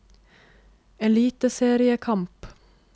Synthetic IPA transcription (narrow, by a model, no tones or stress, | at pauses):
eːliːt̪əseːɾɪəkʰɑmp